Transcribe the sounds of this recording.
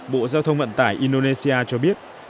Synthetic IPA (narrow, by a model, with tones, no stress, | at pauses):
ɓo̰˧˨zaː˧wt̪ʰə˧wŋ͡mvə̰˧˨nt̪aː˧˩jʔi˧nɗo˧ne˧si˧ʔaː˧t͡ɕɔ˧ɓi˦˥ət̚